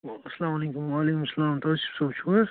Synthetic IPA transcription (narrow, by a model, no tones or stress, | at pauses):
sɐlaːmɐlekumalekumsɐlaːmt̪ɐsi̥bsobt͡ʃʰu